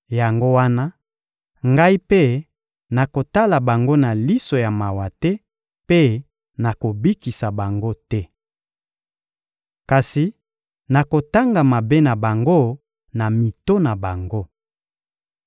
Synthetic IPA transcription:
ja˨ŋɡo˦wa˦na˦ | ŋɡa˦i˦pe˦ | na˨ko˨ta˦la˨ba˨ŋɡo˦na˨li˦so˨ja˨ma˨wa˨tɛ˦ | pe˦ | na˨ko˨bi˦ki˨sa˨ba˨ŋɡo˦tɛ˦ | ka˨si˨ | na˨ko˨ta˦ŋɡa˨ma˨be˦na˨ba˨ŋɡo˦ | na˨mi˨to˦na˨ba˨ŋɡo˦

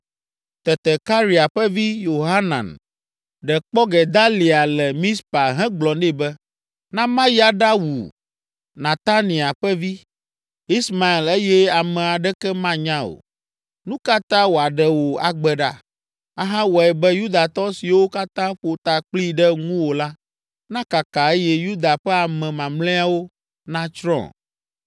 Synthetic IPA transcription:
t̪ɛ˨t̪ɛ˨ka˦ɾi˨a˨ɸɛ˦vi˦jo˨ɦa˦nã̰˨n | ɖɛ˨k͡pɔ˦ɡɛ˨d̪a˦li˨a˨lɛ˨mĩ˦spa˨ɦɛ̃˦ɡ͡blɔ̃˨nɖɛ˦bɛ˦ | nã˦mã˦ja˨ɖa˦wṵ˨ | nã˨t̪a˦nĩ˨a˨ɸɛ˦vi˦ | i˦sma˨e˨le˦jɛ˦a˨mɛ̃˨a˨ɖɛ˦kɛ˦mã˦ɲã˦o̰˨ | nũ˦ka˦t̪ã˦wo˨a˨ɖɛ˨wo˨a˨ɡ͡bɛ˨ɖa̰˦ | a˦ɦã˦wɔ˨ɛ˨bɛ˦ju˦d̪a˨t̪ɔ˦si˨wo˦ka˦t̪ã˦ɸo˨t̪a˨k͡pli˦ɖɛ˦ŋũ˦wo˨la˦ | nã˦ka˨ka˨e˦jɛ˦ju˦d̪a˨ɸɛ˦a˨mɛ̃˨mã˨mlɛ̃˦a˨wo˦ | nã˦t͡ʃɾɔ̰̃˦˨

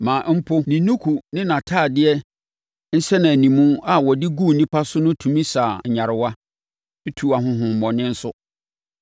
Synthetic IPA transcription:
mãː˨m̩˦pʰo˦nĩ˨nũ˦kʰu˨nɪ̃˦nã˨tʰaː˦˨dɪ˦ɛ˦ | n̩˦sɛ˦nã˨nĩ˨mũ˦a˦˨wɔ˨dɪ˦ɡu˦˨nĩ˦pʰa˦sʊ˦nʊ̃˦tʰũ˨mĩ˦saː˨ɲ̩˨ɲã˨ɾɪ˨wa˦ | e˦tʰu˨a˨ɦʊ̃˦ɦʊ̃˨m̩˨mɔ̃˨nɪ̃˦n̩˦sʊ˦

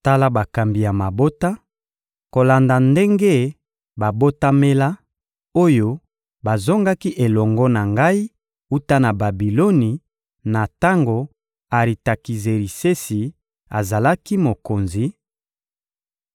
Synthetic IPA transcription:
ta˦la˦ba˨ka˨mbi˨ja˨ma˨bo˦ta˦ | ko˨la˨nda˨nde˦ŋɡe˦ | ba˨bo˦ta˦me˦la˦ | o˦jo˦ | ba˨zɔ˦ŋɡa˦ki˦ʔe˨lɔ˨ŋɡɔ˦na˨ŋɡa˦i˦ | u˦ta˦na˨ba˨bi˨lo˦ni˨ | na˨ta˦ŋɡo˨ | a˨ʁi˨ta˨ki˨ze˨ɾi˨se˦si˨ | a̰˨za˨la˦ki˦mo˨ko˨nzi˨

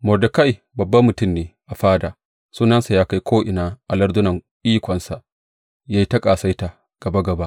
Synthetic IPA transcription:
mɔ˨dɐ˨ka˦j | bɐ˨bːɐ˦mːʊ˨tʊ˦˨mneː˨ʔa˨ɸaː˦daː˨ | suː˦nɐ˦nsa˨jaː˦ka˦jkʷʰoː˦ʔɪ˨naː˦ʔa˨lɐ˦ɾdʊ˦nɐ˨ŋʔiː˦kʷɔ˨nsa˨ʔ | ja˦ji˦tɐ˦kʼaː˨sa˦jta˨ | ɡ̥ɐ˨ba˦ɡɐ˨ba˦

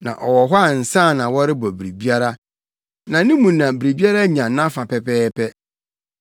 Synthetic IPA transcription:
nã̰˨ʔɔ˨wɔ˨ɦɔ˦a˦˨n̩˨sã˦˨nã˨wɔ˦ɾɪ˦bɔ˨bi˨ɾi˨bi˦a˦ɾa˦ | nã˨nɪ̃˦mũ˨nã˨bi˨ɾi˨bi˦a˦ɾa˦ɲã˨nã˦fa˨pɛ˨pɛː˦pʰɛ˦

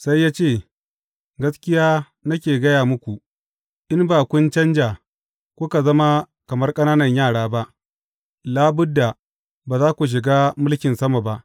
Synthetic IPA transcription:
sa˦jːaː˦t͡ʃeː˦˨ | ɡɐ˦skʲɪ˦jaː˦ | nɐ˦kʲeː˨ɡɐ˦jaː˨mʊ˦kʷu˨ | ʔɪ˦mbaː˨kʷʊ˦nt͡ʃɐ˦nd͡ʒa˨ | kʷʊ˦ka˨zɐ˦ma˦ | kɐ˨mɐ˦rkʼɐ˦naː˦nɐ˨ɲjaː˦˨ɽaː˦ba˦ʔ | laː˦bʊ˦dːa˨ | baː˨zaː˦kʷu˨ʃ̬ɪ˨ɡaː˦mʊ˦lkʲɪ˨nsɐ˦ma˨ba˦ʔ

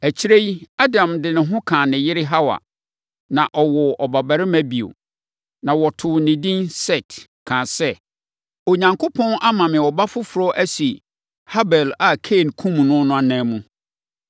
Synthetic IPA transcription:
æ˨t͡ɕʰi˦ɾe˦i˦a˦dã˨mdɪ˨nɪ̃˨ɦʊ̃˦kʰã˨nɪ̃˨jɪ˦ɾɪ˦ɦa˦wa̰˨ | nã˨ʔɔ˨wɔ˨ʔɔ˨ba˨ba˨ɾɪ˦mæ̃˦bi˨o̰˨ | nã˨wɔ˨tʰʊ˨nɪ̃˨dĩ˦nsɛ˦˨t | kʰã˨sɛ˦ | o˨ɲã˨ŋkʰo˦pʰɔ̃˦nʔa˦mã˨mɪ̃˨ɔ˨ba˦fʊ˦fʊ˨ɾɔ˦ʔæ˦si˨ | ha˦bɛ˨la˨kʰe˦˨nkʰũ˦m˨nʊ̃˦nʊ̃˦a˨nãː˦mũ˦

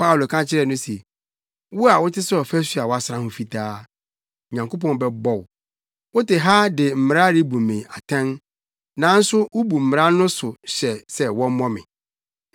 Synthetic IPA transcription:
pa˦wlo˨kʰã˦t͡ɕʰɪ˦ɾɛ˨nʊ̃˦sɛ˨ | wʊ˦a˨wʊ˦tʰɪ˦sʊ˦ɔ˨fɛ˦sɥa˨wɔ˨˦a˨sɾã˦hʊ̃˨fi˨tʰaː˦˨ | ɲã˨ŋkʰo˦p̬ʰɔ̃˦n˦bɛ˦bɔ˦˨w | wʊ˦tɪ˨ɦa˦dɪ˨m̩˨m˨ɾa˦ɾi˦bu˨mɪ̃˨a˨tʰɛ̃˦n | nã˨˦n̩˦sʊ˦wʊ˦bu˨m̩˨m˨ɾã˦nʊ̃˦sʊ˨ɕɛ˨sɛ˦wɔ̃˦m˦mɔ̃˦mɪ̰̃˨

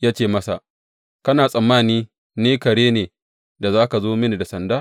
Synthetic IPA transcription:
jaː˦t͡ʃeː˦˨mɐ˦sa˨ʔ | kɐ˦naː˨sʼɐ˨mːaː˦niː˦ | neː˦kɐ˨ɽeː˦neː˨ | da˨zaː˦ka˨zoː˦mɪ˦ni˨da˨sɐ˨ndaː˦

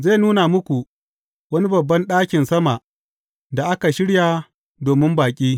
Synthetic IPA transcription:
ze˦˨nuː˦na˨mʊ˦kʷu˨ | wɐ˦ni˦bɐ˨bːɐ˦nɗaː˦kʲɪ˨nsɐ˦ma˨ | da˨ʔa˦ka˨ʃɪ˦ɽjaː˨ | doː˨mɪ˦mbaː˨kʲʼiː˦

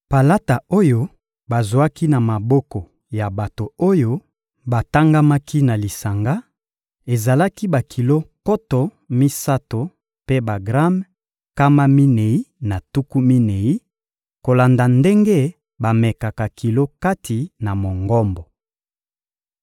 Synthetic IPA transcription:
pa˨la˦ta˨o˦jo˦ | ba˨zwa˦ki˦na˨ma˨bɔ˦kɔ˨ | ja˨ba˨to˨o˦jo˦ | ba˨ta˦ŋɡa˦ma˦ki˦na˨li˨sa˨ŋɡa˦ | e˨za˨la˦ki˦ba˨kʰi˨lo˦kɔ˦tɔ˨ | mi˦sa˦to˨ | pe˦ba˨ɡʁa˦m | ka˦ma˦mi˦ne˨i˦na˨tu˦ku˦mi˦ne˨i˦ | ko˨la˨nda˨nde˦ŋɡe˦ | ba˨mɛ˨ka˨ka˨ki˨lo˦ka˦tʰi˨na˨mo˨ŋɡɔ˦mbɔ˨

